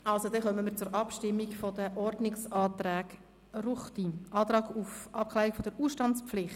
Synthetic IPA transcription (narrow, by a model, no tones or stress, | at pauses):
ɑlsod̪ɛχœmənmiːɾt͡sʊɾɑpʃtɪmːiɡfodəʔɔrdnɪksɑːt̪ɾɛːɡ | ruχtiʔɑːtɾɑːɡufʔɑp̚kʰlɛːɾɪikfodəɾuːsʃtɑnt͡spflɪχt